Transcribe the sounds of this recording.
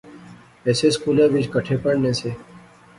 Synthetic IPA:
ɛːseːskuːlẽːʋɪd͡ʒkəʈʰeːpəɽnẽːseː

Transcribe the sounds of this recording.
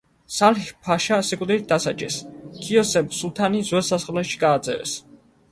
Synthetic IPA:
salhpʰaʃasikʼd̪ɾit̪̚d̪asa̰t͡ʃʼɛ̰skʰiɔsɛmsulˠt̪ʰanizwɛlˠsasχlɛʃi̥ɡaːd̪zɛ̰vɛ̰s

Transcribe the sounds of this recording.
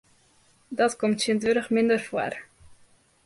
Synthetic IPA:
dɔtkomtsjəndʋøɾəxmɪndərfwa̰r

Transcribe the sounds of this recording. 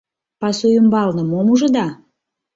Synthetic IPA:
pɑsujəmbɑlnə̆momuʒɤ̆d̪ɑ

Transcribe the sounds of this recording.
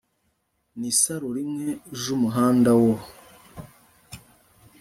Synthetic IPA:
nisaɾuɾimŋeʒumuɦaːndawo

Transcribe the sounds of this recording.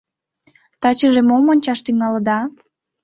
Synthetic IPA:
t̪ɑt͡ɕəʒemomonʲt͡ɕɑʃt̪yŋɑləd̪ɑ

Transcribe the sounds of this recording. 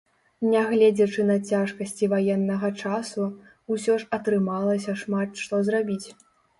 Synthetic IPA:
nʲɛɣlʲɛd͡zʲɐt͡ʂɨnɐt͡sʲaʂkɐsʲt͡sʲivajɛnːɐɣɐt͡ʂasu | usʲɔʐɐt̪ɾɨmalˠɐsʲɐʂmat̪ʂt̪ɔzrabʲit͡sʲ

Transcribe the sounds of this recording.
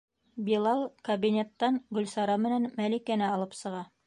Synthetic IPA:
bilˠɑlˠkɐbinʲet̪ːɑnɡɵ̆lsɑɾɑmɘ̆nænmælikænɘɑlˠɤpsɤ̆ʁɑ

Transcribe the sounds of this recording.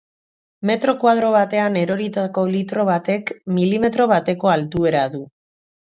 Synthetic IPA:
me̞t̪ɾo̞kwað̞ɾo̞β̞at̪e̞ane̞ɾo̞ɾit̪ako̞lit̪ɾo̞βat̪e̞kmilime̞t̪ɾo̞β̞at̪e̞ko̞alt̪ue̞ɾaðu

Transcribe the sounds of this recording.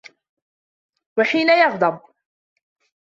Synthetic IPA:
waħiːnajɑɣd̪ˤɑb̚

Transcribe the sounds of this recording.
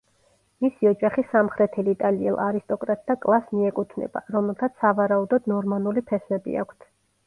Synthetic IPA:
misiɔd͡ʒaχisamχɾɛt̪ʰɛlit̪ʼaliɛ̰lˠʔaɾist̪ʼɔkʼɾat̪̚ʼd̪akʼlˠasmiɛkʼut̪ʰnɛ̰ba̰ɾɔmɛlˠt̪ʰat̪ssavaɾaud̪ɔd̪nɔɾmanulipʰɛsmɛbḭa̰kʷʰt̪ʰ

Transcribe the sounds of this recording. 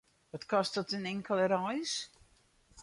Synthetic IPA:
ʋɔtkɔstɔtənɪŋkəlˠəɾɔjs

